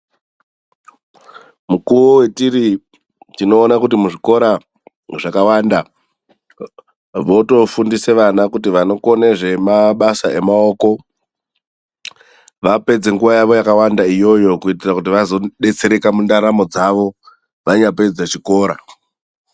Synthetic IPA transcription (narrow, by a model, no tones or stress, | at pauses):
mukuʋowe̞tiɾi | tino̞ːnakutimuʐiko̞ɾa | ʐakawanda | ʋo̞to̞fundise̞ʋanakutiʋano̞ko̞neʐe̞maɓasae̞mao̞ko̞ | ʋape̞d͡ze̞ŋɡuʋajaʋo̞jakawandaijo̞jo̞kuitirakutiʋazo̞ɗe̞t͡se̞ɾe̞kamundaɾamo̞d͡zaʋo | ʋaɲape̞d͡zat͡ʃiko̞ːɾa